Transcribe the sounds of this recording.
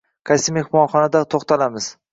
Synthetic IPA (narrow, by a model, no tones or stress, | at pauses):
kʰasɪmehmɒnχɒnad̪at̪ʰoχt̪ʰalamɪz̥